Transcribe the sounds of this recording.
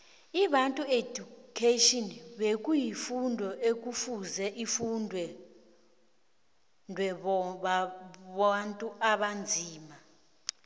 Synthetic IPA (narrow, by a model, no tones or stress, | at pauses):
iɓantʼuedukʰeʃʼɔnɓekʼujifundʱɔʔek̬ʼufuzɛʔifundʱwɛ | ndʱwɛɓaβantʼuʔaɓand͡zʱiːma